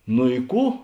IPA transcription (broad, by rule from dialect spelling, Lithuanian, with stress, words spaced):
noː ɪ ˈkuː